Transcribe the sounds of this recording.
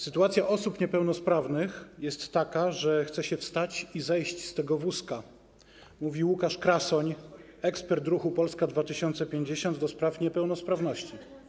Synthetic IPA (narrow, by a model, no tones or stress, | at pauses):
sɘt̪uat̪sʲjaʔɔsupɲɛpɛwnɔspɾavnɘxjɛst̪ːakaʐɛxt̪sɛɕɛfst̪at͡ɕizɛjɕt͡ɕst̪ɛɡɔvuska | muvʲiwukaʂkɾasɔɲ | ɛkspɛɾt̪ɾuxupɔlskad̪vat̪ɘɕɔnt̪sɛpʲjeɲd͡ʑeɕɔnd̪d̪ɔspɾafɲɛpɛwnɔspɾavnɔɕt͡ɕi